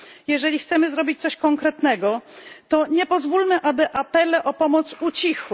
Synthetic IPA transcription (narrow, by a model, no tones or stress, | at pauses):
jɛʐɛlʲixt̪sɛmɘzɾɔbʲit͡ɕt̪sɔɕkɔŋkɾɛt̪nɛɡɔt̪ɔɲɛpɔzvulmɘʔabɘʔapɛlɛʔɔpɔmɔt̪sut͡ɕixw